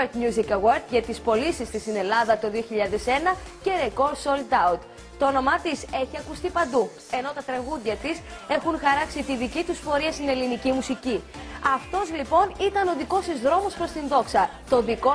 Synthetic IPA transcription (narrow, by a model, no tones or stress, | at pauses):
eɾt̪mjuzikɐweɾt̪ʝɐt̪ispo̞lisist̪ist̪ine̞lɐðɐt̪o̞ðio̞çiʎɐðe̞se̞nɐce̞ɾeko̞ɾso̞ld̪ɐwt̪ | t̪oono̞mɐt̪ise̞çiɐkust̪ipɐnd̪u | e̞no̞t̪ɐt̪ɾɐɣuðʝɐt̪ise̞xunxɐɾɐksit̪iðicit̪uspo̞ɾiɐst̪ine̞linicimusici | ɐft̪o̞zlipo̞nit̪ɐno̞ðiko̞sizðɾo̞mo̞spɾo̞st̪inðo̞ksɐt̪o̞nðiko̞